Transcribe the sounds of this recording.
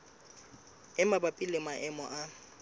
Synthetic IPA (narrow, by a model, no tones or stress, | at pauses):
ɛmabapʼilɪmaʔɛmɔ̰ʔa